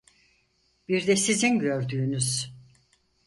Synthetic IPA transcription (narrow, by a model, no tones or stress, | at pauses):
biɾd̪ɛsizinɟø̞ɾd̪yːnyz̥